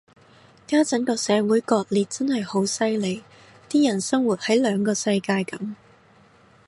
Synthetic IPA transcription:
kaː˥t͡sɐ˨˥nkɔː˧sɛː˨˧wuː˨˥jkɔː˧k̚liː˨t̚t͡sɐ˥nhɐ˨jho˨˥wsɐ˥jle˨˧j | t̪iː˥jɐ˨˩nsɐ˥ŋwu˨t̚hɐ˨˥jlœː˨˧ŋkɔː˧sɐ˧jkaː˧jkɐ˨˥m

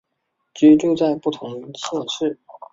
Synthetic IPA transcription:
t͡ɕy˧˥ʈ͡ʂu˥˧t͡sa˥˧ɪpu˥˩t̪ʰʊ˧˥ŋ˧ɕʰjɛ˥˧nʂɻ̩˥˩

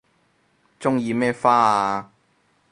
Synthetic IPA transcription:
t͡sʊ˥ŋjiː˧mɛː˥faː˥a˧

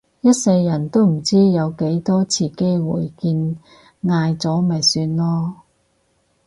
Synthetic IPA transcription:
jɐ˥t̚sɐ˧jːɐ˨˩nt̪o˥wm̩˨˩t͡siː˥jɐ˨˧wke˨˥jt̪ɔː˥t͡sʰiː˨˩ke˥jwṵː˨˩jkiː˧n | ŋaː˧jt͡sɔː˨˥mɐ˨jsyː˧nlɔː˥

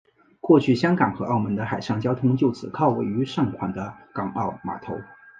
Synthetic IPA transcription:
kwɔ˥˧t͡ɕʰy˥˩ɕjɑ˥ŋkɑ˨˩ŋxɤ˧˥ʔɑ˥˩ʊmə˧˥nd̪ə˧xa˨˩ɪʂɑ˥˩ŋt͡ɕjɑ˥ʊt̪ʰʊ˥ŋt͡ɕjo˥˩ʊt͡sʰɹ̩˨˩kʰɑ˥˧ʊwe˥˩ɪy˧˥ʂɑ˥˩ŋkʰwa˨˩nd̪ə˦kɑ˨˩ŋʔɑ˥˩ʊma̰˨˩t̪ʰo˧˥ʊ

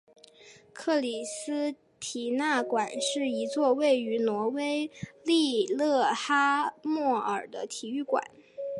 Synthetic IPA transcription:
kʰɤ˥˩li˨˩sɹ̩˥ | t̪ʰi˨˩na˥˩kwa˨˩nʂɻ̩˥˩i˧˥t͡swɔ˥˧we˥˩ɪy˧˥nwɔ˧˥we˥ɪli˥˧lɤ˥˩xa˥mwɔ˥˩ə̰˞˨˩d̪ə̰˦t̪ʰi˨˩y˥˩kwa̰˨˩˦n

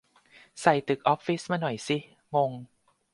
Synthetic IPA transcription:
sa˨˩jt̪ɯ˨˩k̚ʔɔ˦˥p̚fi˦˥smaː˧nɔ˨˩jsi˦ | ŋo˧ŋ

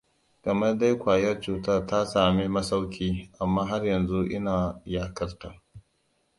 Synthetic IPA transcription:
kɐ˨mɐ˦rda˦jkʷaː˨jɐ˦rt͡ʃuː˨ta˦rta˦saː˨miː˦mɐ˦sa˦wkʲiː˦ʔa˨mːaː˦ɦa˦rjɐ˨nzu˦ʔɪ˦naː˨jaː˨kɐ˦rta˨

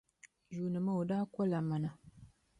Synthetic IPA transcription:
ʒuː˨nɨ˨ma˦o˨daː˦kʷɔ˦la˨ma˨na˨

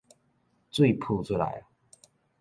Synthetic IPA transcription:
t͡swe˥˨ɪpʰu˥˧ʈ͡ʂʰu˦la̰˨˦ɪ

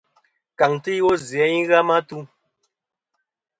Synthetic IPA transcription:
ka˨ŋti˦wɔ˦zjɛ˨˦i˦ɣa˦ma˦tu˦

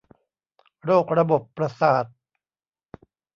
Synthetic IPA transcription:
ɾoː˥˩k̚ɾa˧bo˨˩pːɾa˧saː˨˩t̪̚

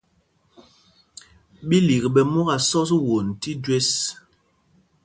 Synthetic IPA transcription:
ɓi˦li˨ɣɓɛ˨mu˦ɣa˨sɔ˦s̬wo˨n˨ti˦dwe˦s

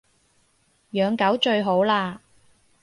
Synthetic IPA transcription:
jœː˨˧ŋkɐ˨˥wt͡ʃɵ˧ɥɦo˨˥wlaː˧

